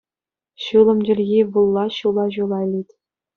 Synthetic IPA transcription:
ɕulˠɤ̆md͡ʑʲɘ̆rʲɣʲiʋulˠːɑɕulˠɑʑulˠɑlʲitʲ

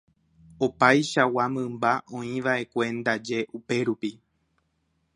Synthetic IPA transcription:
opajʃawamɨ̃mbaʔõ̞ĩʋaʔe̞kʷe̞nd̪ad͡ʒe̞ʔupe̞ɾupi

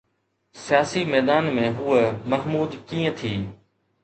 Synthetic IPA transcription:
sɪjaːsimɛːd̪aːnmẽɦuːemɐɦmuːd̪kĩːə̃t̪ʰiː

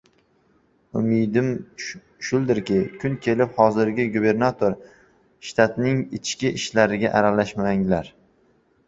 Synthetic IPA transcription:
ʊmɪd̪ɪm | ʃʊlˠd̪ɪɾkʲɪkʲʰʊnkʲʰe̞lɪphɒzɪɾɡʲɪɡube̞ɾnat̪ʰoɾ | ʃt̪ʰat̪nɪŋɪt͡ʃʰkʲɪʔɪʃlaɾɪɡʲaʔaɾalaʃmaŋlaɾ

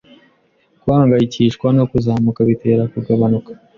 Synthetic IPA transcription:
kwaːŋɡajiciːʃkwano̞kuzaːmukaβite̞ːɾakuɡaβanukḁ

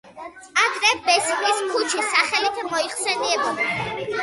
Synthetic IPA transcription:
aɡ̪ɾɛbɛsniskʰut͡ʃʰisaχɛlit̪ʰmɔiχsɛniɛbɔ

